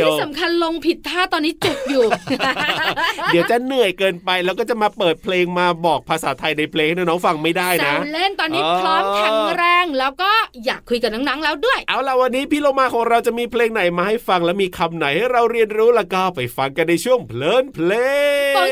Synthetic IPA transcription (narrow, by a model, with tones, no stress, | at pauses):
sa˩˦mkʰa˧nlo˧ŋpʰi˨˩t̪̚ʰːaː˥˩t̪ɔː˧nːiː˦˥t͡ɕu˨˩p̚juː˨˩ | diː˨˩˦wt͡ɕa˨˩nɯ˨˩əjkɤː˧npa˧jlɛː˦˥wkɔː˥˩t͡ɕa˨˩ʔmaː˧pɤː˨˩t̪̚pʰleː˧ŋmaː˧bɔː˨˩k̚pʰaː˧sa̰ː˩˦t̪ʰa˧jna˧jpʰleː˧ŋhna˥˩nɔː˦˥ŋfa˧ŋma˥˩jdaː˥˩jna˧˦˥le˥˩nt̪ɔː˧nːiː˦˥˧plɔː˦˥nkʰɛ˧ŋɾɛː˧ŋlɛː˦˥wkɔː˥˩jaː˨˩kʰːu˧jka˨˩na˦˥ŋna˦˥ŋlɛː˦˥wdu˥˩əjʔaː˧˩wla˧˩wa˧nːiː˦˥pʰiː˥˩loː˧˩maː˧kʰɔː˩˦ŋɾa˧wt͡ɕa˨˩ʔmiː˧pʰleː˧ŋna˨˩jmaː˧ha˥˩jfa˧ŋlɛː˦˥wmiː˧kʰa˧mna˨˩˦jha˥˩jɾa˧wɾi˧ənɾuː˦˥la˧˩wkɔː˥˩pa˨˩jfa˧ŋka˧nːa˧jt͡ɕʰu˥˩əŋpʰlɤː˧˥˩npʰleː˧